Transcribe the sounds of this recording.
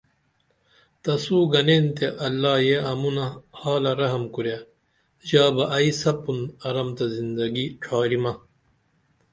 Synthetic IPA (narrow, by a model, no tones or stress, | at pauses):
t̪ɐsuːɡɐnent̪eʔɐlːaːjeʔɐmunɐhaːlɐɾɐɦɐmkuɾja | ʑaːbɐʔɐisɐpːunɐɾɐmt̪ɐzind̪ɐɡiʈ͡ʂʰaːɾimɐ